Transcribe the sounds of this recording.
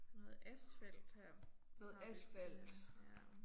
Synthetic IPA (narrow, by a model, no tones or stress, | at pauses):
nɔːð̩ˠæsfel̰d̥hæɐ̰nɔ̽ːð̩ˠæsfæl̰d̥